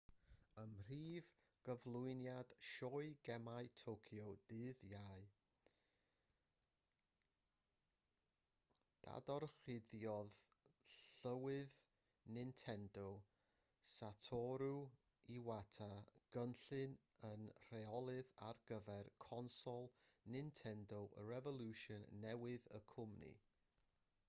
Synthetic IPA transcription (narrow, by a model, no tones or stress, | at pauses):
əmr̥iːv | ɡ̥əvlˠʊɨnjad̥ʃɔɨɡɛmaɨtʰowkʰjɔd̥ɨːðjaɨ | d̥a̰dɔrχɪðjɔð | ɬəwɨð | nɪntʰɛndɔ | satʰɔɾu | iwatʰaɡ̥ənɬɨn | ənr̥ɛɔlˠɨðarɡ̥əvɛrkʰɔnsɔlˠnɪntʰɛndɔʔəɾɛvɔlˠuʃɔnːɛwɨðə̰kʰʊmnḭ